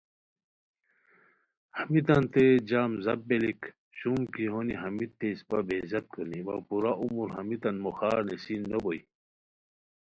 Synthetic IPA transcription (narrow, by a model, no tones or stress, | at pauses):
hɐmit̪ɐnt̪ed͡ʑaːmzɐbːelik | ɕumkiɦoniɦɐmit̪ʰːespabezɐt̪̚kʰoniwa̰puɾaʔumuɾɦɐmit̪ɐnmoxaːɾnesinːoboi